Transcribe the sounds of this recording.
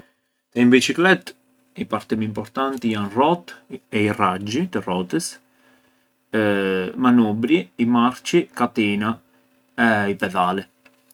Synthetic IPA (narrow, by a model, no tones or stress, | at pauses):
t̪ɛmbit͡ʃiklɛt̪ː | ipaɾt̪ɛmimpɔɾt̪ant̪ianrɔt̪ɛirad͡ʒːit̪ərɔt̪əs | manubɾiimaɾt͡ʃikat̪iːna | ɛipɛðaːlɛ